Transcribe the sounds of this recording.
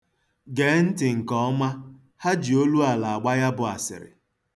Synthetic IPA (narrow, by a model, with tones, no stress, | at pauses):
ɡe˨˦n̩˦tɪ˨ŋ̩˨kɔ˨˦ɔ˦ma˦ | ha˦d͡ʒi˨o˦lu˦a˨la˨a˨ɡ͡ba˦ja˦bʊ˨a̰˨sɪ̰˨ɾɪ̰˨